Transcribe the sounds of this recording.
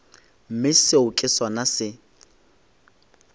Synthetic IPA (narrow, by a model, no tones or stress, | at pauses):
m̩mɪsɪʊkʼɪswanasɪ